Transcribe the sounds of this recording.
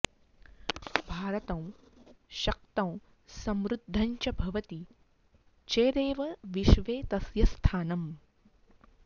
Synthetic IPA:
bʱaːɾɐt̪ɐ̃w̃ʃɐk̚t̪ɐ̃w̃ | sɐmɾud̪ʱːɐɲt͡ʃɐbʱɐʋɐt̪i | t͡ʃeːɾeːʋɐʋiʃʋeːt̪ɐsjɐst̪ʰaːnɐm

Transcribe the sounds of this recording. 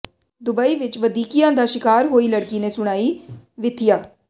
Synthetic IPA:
d̪ʊbaːiːʋɪt͡ʃʋəd̪iːkijãːd̪aːʃɪkaːɾɦoːiːləɽkiːneːsʊɽ̃aːiːʋɪt̪ʰɪjaː

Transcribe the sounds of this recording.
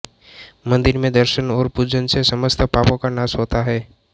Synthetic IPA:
mɐ̃nd̪ɪɾmẽd̪əɾʃənɔːɾpud͡ʒənsesɐməst̪ʰpaːpõkanaːsɦoːt̪aɦɛː

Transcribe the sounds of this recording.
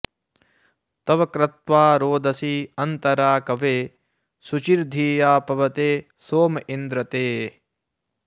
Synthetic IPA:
t̪ɐʋɐkɾɐt̪ʋaːɾoːd̪ʱɐsiɐnt̪ɐɾaːkɐʋeː | sut͡ʃiɾd̪ʱiːjaːpɐʋɐt̪eː | soːmɐind̪ɾɐt̪eː

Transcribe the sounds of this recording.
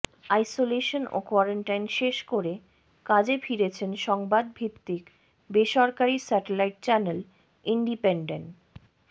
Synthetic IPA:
ajsoleʃono̰kwɔɾeɳʈajnʃeʃkoɾe | kad͡ʑefiɾet͡ɕʰenʃɔŋbad̪̚bʱit̪ːik | beʃɔɾkaɾisɛʈelajʈ̚t͡ɕɛnel | iɳɖipeɳɖenʈ

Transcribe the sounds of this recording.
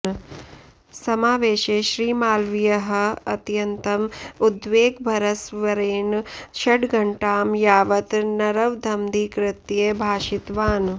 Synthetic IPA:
sɐmaːʋeːʃeːʃɾiːmaːlʋijɐɦɐ̆ɐt̪jɐnt̪ɐmud̪ʋeːɡbʱɐɾɐsʋɐɾeːnʃɐɖɡɐɳʈaːmjaːʋɐt̪nɐɾɐʋd̪ʱɐmd̪ikɾɪt̪jeːbʱaːʃit̪ʋaːn

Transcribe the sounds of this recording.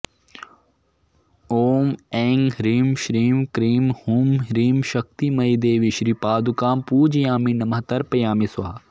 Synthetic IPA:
oːmeːŋɡɾiːmʃɾiːmkɾiːmhuːmɾiːmʃɐk̚t̪imɐjd̪eːʋiʃɾipaːd̪ukaːmpuːd͡ʒjãːminɐmɐɦt̪ɐɾpɐjaːmisʋɐːɐ

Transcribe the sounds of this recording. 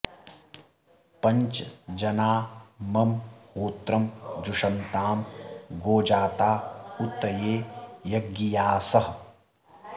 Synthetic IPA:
pɐɲt͡ʃd͡ʒɐnaːmɐmhoːt̪ɾɐmd͡ʒuʂɐnt̪aːmɡoːd͡ʒaːt̪aːut̪ːɐjeːjɐɡːijaːsɐɦ

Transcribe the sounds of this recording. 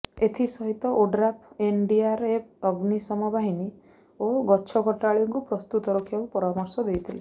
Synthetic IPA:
et̪ʰisɔɦit̪ɔʔoɖɾapʰenɖiaɾep̚ʰɔɡnisɔmɔbʱaɦini | oɡɔːt͡ʃʰɔkɔʈaɭjɔŋkupɾɔst̪ut̪ɔɾɔkʰiakupɔɾamɔɾsɔd̪ejt̪ʰile

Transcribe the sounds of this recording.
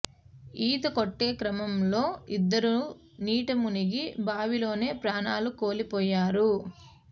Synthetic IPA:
iːt̪ɐkoʈːe̞ːkɾɐmɐmlo̞ːid̪ːɐɾu | niːʈɐmuniɡibaːʋilo̞ːne̞ːpɾaːnaːluko̞ːlipɔːjaːɾu

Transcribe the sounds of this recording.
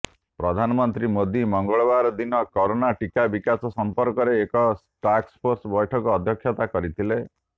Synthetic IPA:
pɾɔd̪ʱanɔmɔnt̪ɾimod̪imɔŋɡɔɭɔbaɾɔd̪inɔkɔɾonaʈikabikasɔsɔmpɔɾkɔɾeːkɔsʈakspʰoɾsbɔjʈʰɔkɔːd̪ʱjɔkʰjɔt̪akɔɾit̪ʰile

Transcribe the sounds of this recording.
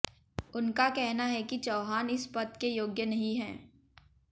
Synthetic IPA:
ʊnkakɛɦnaɦɛkit͡ʃɐːɦaːnɪspɐt̪kejoːɡjənɐɦĩɦɛ̃ː

